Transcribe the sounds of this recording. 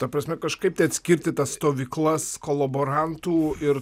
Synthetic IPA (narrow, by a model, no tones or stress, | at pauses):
t̪ɐpɾɐsʲmʲɛkɐʃkɐɪp̚t̪ʲɛɪɐt̪ʲsʲkʲɪɾʲt̪ʲɪt̪ɐsst̪oːʋʲiːklˠɐskolˠɐboːɾɐnt̪uːɪɾ